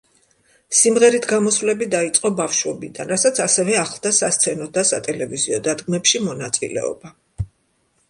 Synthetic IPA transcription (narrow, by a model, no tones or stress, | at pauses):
simʁɛɾit̪ʰɡamɔsvlɛbid̪ait̪sʼqʼɔbafʃwɛbḭd̪a̰nɾasat̪sʰasɛvɛaχlˠd̪asast̪sʰɛnɔd̪asa̰t̪ʼɛlɛviziɔd̪ad̪ɡmɛpʃimɔnat̪sʼḭlɛ̰ɔ̰ba